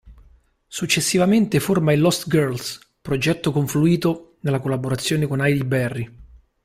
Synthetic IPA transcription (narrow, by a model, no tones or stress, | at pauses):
sut͡ʃːesːivament̪eformailːɔst̪ɡɛrls | pɾod͡ʒɛt̪ːokoɱfluiːt̪onelːakolːaboɾat̪sːjoːnekonajd̪ibɛrːi